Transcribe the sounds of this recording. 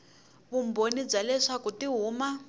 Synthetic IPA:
βumbonib͡ʐalɛʂakutiɦuːma

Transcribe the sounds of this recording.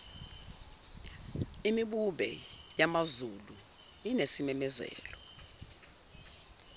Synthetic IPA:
imiɓuɓɛ̰jamazulu | inesimɛmɛzɛ̰ːlɔ

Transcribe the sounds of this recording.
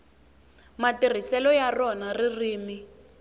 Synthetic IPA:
matir̤isɛlɔjarɔnaririːmi

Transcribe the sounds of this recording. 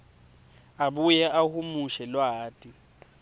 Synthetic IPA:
abujɛʔahʊmuʃɛlwaːtʼi

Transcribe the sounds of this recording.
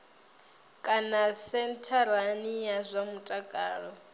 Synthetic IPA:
kʼanasɛntʰaɾanijazʷamutʼakʼaːɺɔ

